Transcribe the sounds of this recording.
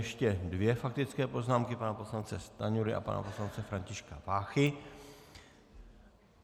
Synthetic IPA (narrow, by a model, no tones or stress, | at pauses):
ɛʃcɛdvjɛfak̚t̪ɪt͡skɛːpo̞znaːmkɪpanapo̞slant͡sɛst̪aɲuɾɪʔa̰pa̰na̰poslant͡sɛfɾaɲcɪʃkavaːxɪ